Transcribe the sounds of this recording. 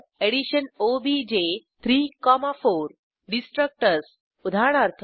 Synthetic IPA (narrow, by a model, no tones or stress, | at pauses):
eɽiɕənobid͡ʑet̪ʰɾiːkɔmafoɾ | ɖisʈɾək̚ʈəɾs | ud̪ʱaɽ̃aɾt̪ʰ